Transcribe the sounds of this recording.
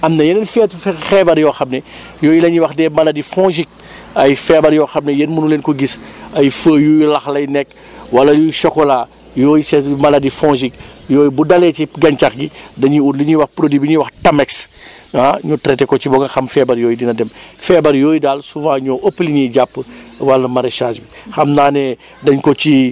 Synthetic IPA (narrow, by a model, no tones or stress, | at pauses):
ɐmnɐjɛnenfɛːtfxɛbɐɾjɔːxɐmnɛ | jɔːjilɐɲiwɐxdɛmɐlɐdifɔ̃ːʒik̚ | ɐjfɛːbɐɾjɔːxɐmnɛjenmunuleːnkɔɡisɐjfəːjujulɐxlɐjnɛkː | wɐlɐjuʃɔkɔlaː | jɔːjisɛmɐlɐdifɔ̃ːʒik̚jɔːjbudɐlɛciɡɐɲt͡ʃaxɡidɐɲiudliɲiwɐxpɾodibiɲiwɐxtɐmɛks | aɲɔtɾɛtɛkɔcibɔɡɐxɐmfɛbɐɾjɔːjidinɐdɛmfɛbɐɾjɔːjidaːlsuvãːɲɔːʔəpːliɲiɟapːəwɐlnɐmɐɾeʃaːʃbixɐmnaːnɛ | dɐɲkɔt͡ʃi